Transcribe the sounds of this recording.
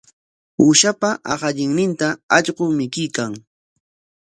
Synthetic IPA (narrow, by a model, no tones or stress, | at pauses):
uʃapaʔɑ̰χɑʎɪŋnɪnt̪aɑʎɢʊmɪkɪjkaŋ